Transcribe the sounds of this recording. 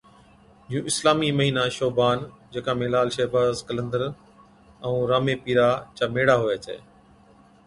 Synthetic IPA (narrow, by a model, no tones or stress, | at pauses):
ũːʔɪslaːmiːməɦiːnaːʃoːbaːnd͡ʑeːkãːmeːlaːlʃeːbaːzkələ̃nd̪əɾ | ə̃ũːɾaːmeːpiːɾaːt͡ɕaːmeːɽaːɦoeːt͡ɕʰḛː